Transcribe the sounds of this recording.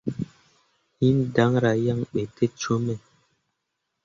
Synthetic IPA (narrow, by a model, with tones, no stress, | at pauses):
hi˦n˦da˨˦ŋɾa˨ja˦˨ŋɓe˨te˦t͡ʃo˦mɛ˨